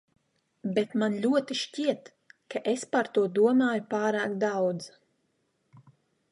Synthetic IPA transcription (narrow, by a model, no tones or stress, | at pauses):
bet̪manlʲuɔt̪iʃcʲiɛt̪ | kaʔespaɾt̪uɔd̪uɔmaːjupaːɾaːkd̪awd̪z